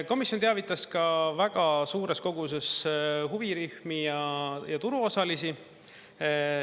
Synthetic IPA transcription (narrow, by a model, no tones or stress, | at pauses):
ko̞misjont̪eɑvit̪ːˑɑskɑvæɡ̥ɑsuːɾe̞sko̞ɡ̥us̬e̞sɦuviɾyhmijɑjɑt̪uɾuo̞sɑlisi